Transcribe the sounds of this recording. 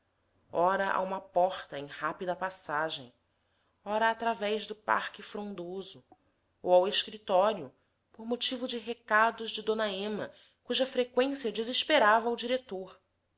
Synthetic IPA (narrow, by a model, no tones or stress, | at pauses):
ɔɾɐʔa̰ũmɐpɔχt̪ɐẽj̃hapid̪ɐpasaʒḛ̃j̃ | ɔɾɐːt̪ɾavɛʒd̪ʊpa̰χkɪfɾõnd̪ozʊ | o̰waweʃkɾit̪ɔɾjʊ | poɾmot͡ʃivʊd͡ʒɪɦekad̪ʊʒd͡ʒɪd̪õnɐẽmɐ̰ | kuʒɐfɾekwẽsiɐd͡ʒiziʃpeɾavɐud͡ʒiɾet̪oɾ